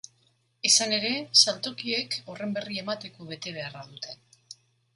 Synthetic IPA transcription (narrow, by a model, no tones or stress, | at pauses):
isane̞ɾe̞salt̪o̞kie̞kore̞mbe̞rie̞mat̪e̞ko̞β̞e̞t̪e̞β̞e̞araðut̪ʰe̞